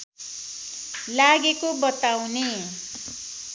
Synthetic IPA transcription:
laɡekobʌt̪awne

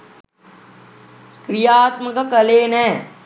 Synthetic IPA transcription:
kɾijaːt̪məkakɐleːnɛː

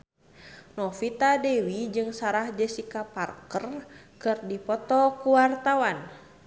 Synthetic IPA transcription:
nɔfit̪adɛwid͡ʒɨŋsaɾahd͡ʒəsikaparkərkɨrdipɔt̪ɔkuwart̪awan

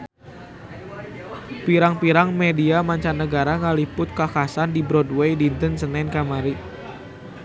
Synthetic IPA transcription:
piɾaŋpiɾaŋmediamaɲt͡ʃanːəɡaɾaŋalipʊt̪̚kakasandibɾɔdwedint̪ənsənɛnkamaɾi

